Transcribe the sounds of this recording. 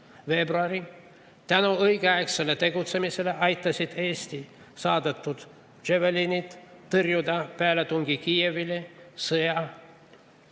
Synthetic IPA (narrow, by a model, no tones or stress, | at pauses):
ve̞bruɑɾi | t̪ænoɤjɡeɑekselːet̪e̞ɡut̪semiseleʔɑjt̪ːɑsʲid̪eːsʲt̪i | sɑːd̪et̪ːut̪ | t͡ʃevelinit̪ːɯrjud̪ɑpæːlet̪uŋɡikievilesɯjɑ